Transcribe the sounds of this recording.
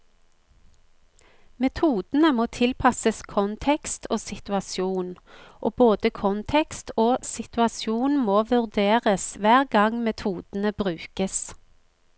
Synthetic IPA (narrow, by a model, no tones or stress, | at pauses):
mɛt̪ʰuːd̪̥n̩əmoːt̪ʰɪlpʰɑsəskʰɔnt̪ʰɛkst̪ʰoːsɪt̪ʉɑsjuːnʔoːboːd̪əkʰɔnt̪ʰɛkst̪oːsɪt̪ʉɑsjuːnmoːʋʉʁd̪eːʁəsʋæːʁɡɑŋmɛt̪ʰuːd̪̥n̩əbʁʉːkəs